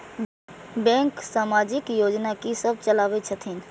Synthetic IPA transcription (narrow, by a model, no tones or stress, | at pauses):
bɛ̃ŋksaːmaːd͡ʒɪkjoːd͡ʒnakisəb̚t͡ʃəlaːʋet͡ʃʰət̪ʰin